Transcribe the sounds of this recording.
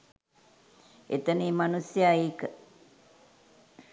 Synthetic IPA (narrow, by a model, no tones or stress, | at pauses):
et̪əniːmanusjaːiːkə